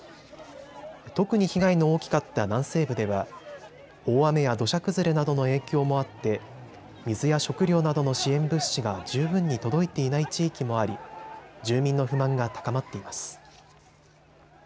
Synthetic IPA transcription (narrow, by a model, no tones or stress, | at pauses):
t̪o̞kɯ̟ɲ̟içiɡaino̞oːkʲi̥kat̪ːanãɰ̃se̞ːbɯ̟d̪e̞βa | o̞ːame̞jad̪o̞ɕakɯ̟zɨɾenad̪o̞no̞e̞ːkʲo̞ːmo̞at̪ːe̞ | mʲizɨjaɕo̞kɯ̟ɾʲo̞ːnad̪o̞no̞ɕiẽ̞mbɯ̟ɕiɡad͡ʑɨːbɯ̟̃ɲ̟ːit̪o̞d̪o̞it̪e̞inait͡ɕiːkʲimo̞aɾʲid͡ʑɨːmʲĩnːo̞ɸɯ̟mãŋɡat̪ḁkamat̪ːe̞imasɨ̥